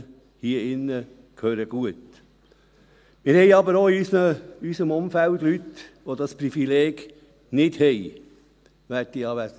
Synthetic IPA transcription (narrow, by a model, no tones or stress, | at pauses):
hiəɪnːə | kʰhøːɾəɡ̥uət | mɪɾhɛɪɑbəɾoːiysnəysəmʊmfælt̪lyt̪ʋod̪ɑsprifileːɡ̥ | nɪd̥hɛj | ʋætiɑːʋæ